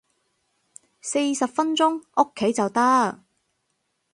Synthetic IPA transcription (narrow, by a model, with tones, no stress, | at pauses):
se˧jsɐ˨p̚fɐ˥nt͡sʊ˥ŋʊ˥kʰːe˨˥jt͡sɐ˨wt̪ɐ˥